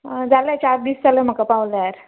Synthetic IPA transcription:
d͡zalat͡ɕaɾd̪iːst͡saləm̤əkapawləaɾ

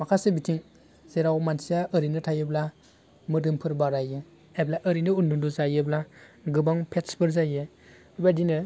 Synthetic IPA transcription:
makʰasebitʰiŋ | z̥eɾawmansijaʔɯɾinɯtʰajɯbla | mɯdɯmpʰɯɾbaɾajɯ | ajblaʔɯɾinɯundunduzajɯblaɡɯbaŋpʰetspʰɯɾzajɯ | badinɯ

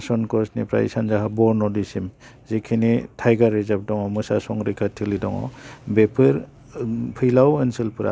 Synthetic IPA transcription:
sɔnkɔsnipɾa̰jsanzaɦabɔɾnɔdisim | zekʰinitʰajɡaɾːezap̚dɔŋɔmɯsasɔŋɾikʰatʰilidɔŋɔ̰bepʰɯɾ | pʰɯjlawensɯlpʰɯɾa̰

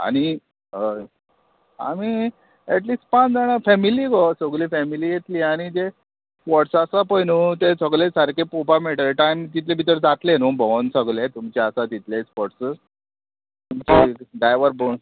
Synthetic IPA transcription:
a̰ɽ̃i | ɦə | a̰mi | ɛʈliːsʈ̚pat͡sd͡zaɽ̃afɛmilikosəɡlifɛmiliːjet̪liːaɽ̃id͡ʑe | spɔʈsasapəjnut̪esəɡlesəɾkʰepopameʈəʈant̪it̪lebʱit̪əɾd͡zat̪lenũbɔnsəɡlet̪umt͡ɕeasat̪it̪lespɔʈs | t̪umt͡ɕeɖajʋəɾbon

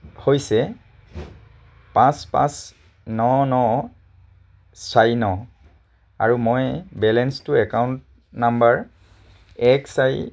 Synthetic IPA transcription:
hojsɛ | pãspã̰s | nɔnɔ | sajnɔ | a̰ɹumojbɛlɛnstuɛkawnt̚ | nambaɹ | ɛksaj

